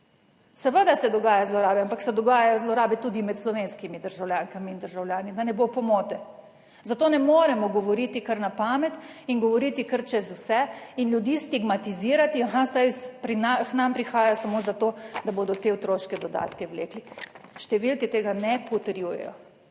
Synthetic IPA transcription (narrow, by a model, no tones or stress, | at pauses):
sɛʋəd̪asɛd̪ɔɡaːjazlɔɾaːbɛampaksɛd̪ɔɡaːjajɔzlɔɾaːbɛt̪uːd̪imɛt̪slɔʋeːnskimid̪əɾʒawljaːŋkamiːnd̪əɾʒawljaːnid̪anɛbopɔmɔːt̪ɛ | zat̪oːnɛmoːɾɛmɔɡɔʋɔɾit̪ikəɾnapaːmɛt̪iŋɡɔʋɔɾit̪ikəɾt͡ʃɛzusɛinljud̪iːst̪iɡmat̪iziːɾat̪iaɦasajpɾinaxnampɾixaːjasamozat̪od̪aboːd̪ɔt̪eot̪ɾoʃkɛd̪ɔd̪a̰ːt̪kɛwlḛːkliʃt̪ɛʋilkɛt̪eːɡanɛpɔt̪ɛɾjuːjɛ̰jɔ̰